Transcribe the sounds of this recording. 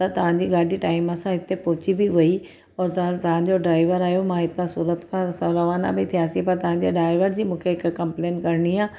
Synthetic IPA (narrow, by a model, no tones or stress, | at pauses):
t̪ɐt̪ɐʋ̤ãɲd͡ʑiɡaːɖʱiʈaːɪmɐsãɦɪt̪ːepɔːt͡ɕibʱiʋɐi | ɔːɾt̪t̪ɐʋ̤ãɲd͡ʑoɖɾaːɪʋəɾaːjomãɪt̪nãsuːɾət̪kʰãsɐɾɐʋaːna̰bʱit̪ʰijaːsipɐɾt̪ɐʋ̤ãɲd͡ʑeɖaːɪʋəɾd͡ʑiːmũːkʰeɪkkːɐ̃mpleːnkɐɾniaː